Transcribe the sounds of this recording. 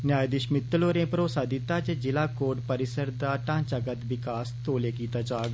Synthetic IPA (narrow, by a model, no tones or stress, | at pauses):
njaːjd̪ɪʃmɪt̪ːloːɾẽpɾoːsaːd̪ɪt̪aːt͡ʃed͡ʒɪlaːkoːɖpəɾɪsəɾd̪aːʈãːt͡ʃakət̪ʋɪkaːst̪oːlekiːt̪aːt͡ʃaːɡ